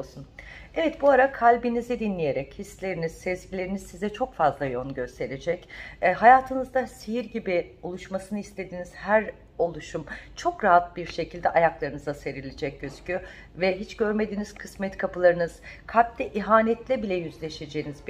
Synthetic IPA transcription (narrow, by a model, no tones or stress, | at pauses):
sunɛvɛt̪̚buaɾakʰalʲbinizid̪inlʲije̞ɾɛchisːlʲe̞ɾiniz̥sɛzɟilʲe̞ɾinizsizɛt͡ʃʰo̞kfazlˠajonɟø̞st̪ʰe̞ɾed͡ʒɛcːɦajaːt̪ʰɯnɯzd̪asijiɾɟibɪulˠuʃmasɯnɯist̪ʰe̞d̪iːniz̥hæɾ | o̞lˠuʃumt͡ʃʰo̞kɾaɦat̪̚biɾʃe̞cʰilʲd̪ɛʔajaklˠaɾɯnɯzase̞ɾilʲed͡ʒɛc̚ɟøzcʰy | vɛɦit͡ʃɟ̥øɾme̞d̪iːniz̥kʰɯsmɛt̪kʰapɯlˠaɾɯnɯz̥kʰap̚t̪ʲɛʔiɦaːnɛt̪lʲɛbilʲɛjyzlʲe̞ʃe̞d͡ʒejːnizb